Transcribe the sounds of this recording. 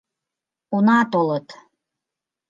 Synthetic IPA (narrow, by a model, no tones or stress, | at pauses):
onɑt̪olət̪